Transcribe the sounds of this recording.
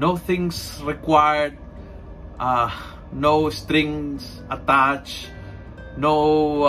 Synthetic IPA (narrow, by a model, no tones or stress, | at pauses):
noθɪ̃ŋsɹɪkwaɪə˞d̚ | noʊstɾɪ̃ŋs | ətat͡ʃ | no